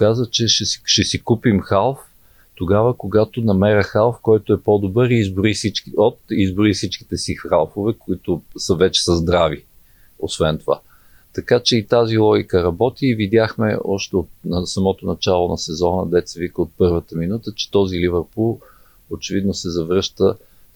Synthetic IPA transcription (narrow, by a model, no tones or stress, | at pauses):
kazət͡ʃɛʃɛʃɛsikupimxalˠf | t̪oɡavəkoɡat̪onɐmɛɾəxalˠfkɔjt̪oɛpɔd̪obɤɾizboɾisit͡ʃkiot̪izbʊɾifsit͡ʃki̥t̪ɛsixalˠfovɛkoit̪osəvɛt͡ʃɛ̥səzd̪ɾavi | osvɛnt̪ova̰ | t̪ɐkat͡ʃɛit̪azilˠɔɡʲikəɾɐbɔt̪iːvid̪ʲjaxmɛ̰ɔʃt̪ɛot̪̚nɐsɐmɔt̪onɐt͡ʃalˠonɐsɛzɔnəd̪ɛt̪sɛvikəot̪̚pɤɾvət̪əminut̪ət͡ʃɛ̥t̪ɔzilivəɾpulˠ | ot͡ʃɛvid̪nosɛzɐvɾɤʃt̪ə